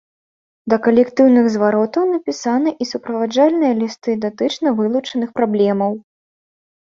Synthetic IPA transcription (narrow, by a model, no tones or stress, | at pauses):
d̪ɐkɐlʲɛkt̪ɨwnɨɣzvaɾɔt̪ɐwnɐpʲisanɨʔisupɾɐvad͡ʐalʲnɨjɐlʲist̪ɨd̪at̪ɨt͡ʂnɐvɨlˠut͡ʂɐnɨxpɾablʲɛmɐw